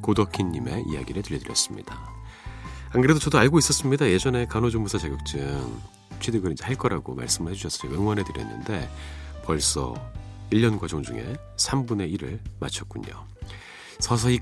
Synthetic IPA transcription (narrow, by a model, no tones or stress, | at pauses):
kodʌkʰiɲːime̞̰ḭja̰ɡiɾɯtɯʎːʌdɯɾjʌs͈ɯmɲḭd̥a | akɯɾe̞dot͡ɕʌdoaɭɡois͈ʌs͈ɯmɲidaje̞d͡ʑʌne̞kanod͡ʑoŋmbusʰat͡ɕaɡjʌk̚t͡ɕ͈ɯŋ | t͡ɕʰidɯɡɯɾiɲd͡ʑe̞haɭk͈ʌɾaɡoma̰ɭs͈ɯmɯɭhe̞d͡ʑuɕʰʌs͈ʌ̥weŋwʌnɦe̞dɯɾjʌ̰nːɯ̰nde̞pʌɭs͈ʌ̰iʎːʌnɡwad͡ʑoŋd͡ʑuŋe̞̰ | sʰambune̞iɾɯɭma̰t͡ɕʰʌt̚k̚k͈uɲo̰ | sʰʌsʰʌi